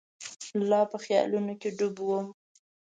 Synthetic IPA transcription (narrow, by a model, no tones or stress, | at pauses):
lɑpəxjɑ̰lunokeɖʊbwom